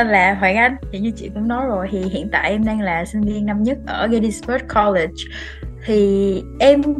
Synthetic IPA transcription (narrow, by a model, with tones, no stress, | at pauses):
laː˨˩ɦwaː˧˩ŋʔa˧jŋ̟t͡ɕi˨˩ɲɨ˧t͡ɕḭ˧˨kʊ̰˧˥ŋ͡mnɔ˨˦jzo˨˩jt̪ʰi˨˩hḭ˧˨ənt̪a̰ː˧˨jʔɛ˧mɗɛ˧ŋlaː˨˩sï˧ŋ̟vi˧ənna˧mɲə˦˥t̚ʔəː˧˩ɣə˧ɗi˧spə˦˥t̚kʰɔ˧le˨˩t͡ɕ | t̪ʰi˨˩ʔɛ˧m